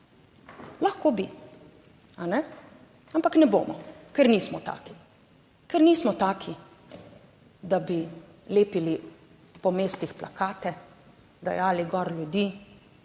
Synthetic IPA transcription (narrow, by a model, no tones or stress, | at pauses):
laxkoːbi | anɛ | ampaknɛbo̰ːmɔ̰kɛɾniːsmɔt̪a̰ːki̥ | kɛɾniːsmɔt̪aːkʰi | d̪abi | leːpili | pɔmeːst̪ixpla̰kaːt̪ɛ | d̪a̰jaːliɡɔɾlʲjud̪iː